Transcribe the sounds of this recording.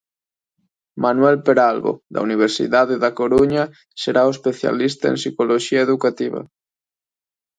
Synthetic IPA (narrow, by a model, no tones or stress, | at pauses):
manwɛlpeɾalβo̰d̪a̰uniβ̞eɾsḭðaðeðakoɾuɲa | seɾaoespeθja̰list̪aḛnsikoloʃiaeðukat̪iβa̰